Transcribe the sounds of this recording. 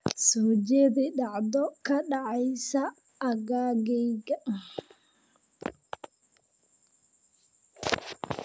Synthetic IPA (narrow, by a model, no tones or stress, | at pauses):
sɔd͡ʒebiɗaʔdɔkaɗaajsaː | ɡaɡɛjɡa